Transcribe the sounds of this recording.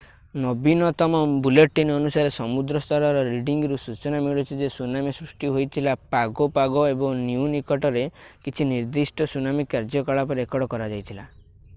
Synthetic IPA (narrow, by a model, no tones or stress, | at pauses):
nɔbinɔt̪ɔmɔbuleʈːinɔnusaɾesɔmud̪ɾɔst̪ʰɔɾɔɾɔɾiɖiŋɡɔɾusut͡ʃɔnamiɭɔt͡ʃʰid͡ʒesunamisɾusʈiɦojt̪ʰilapaɡɔpaɡɔebɔŋnjunikɔʈɔɾekit͡ʃʰiniɾd̪isʈɔsunamikaɾd͡ʒɔkɔɭap̬ɔɾekɔɽɔkɔɾad͡ʒajt̪ʰila